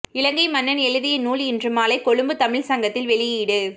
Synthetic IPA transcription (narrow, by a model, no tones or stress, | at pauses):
ɪlɐŋɡɐɪmɐnːɐnɛɻɯðɪjɪnuːɭɪndrɯmaːlɐɪkɔɻɯmbɯt̪ɐmɪɭsɐŋɡɐt̪ːɪlʋɛɭɪjiɽɯ